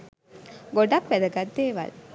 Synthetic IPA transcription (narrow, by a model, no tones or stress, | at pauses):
ɡoɖapʋæd̪əɡad̪ːeːʋa̰l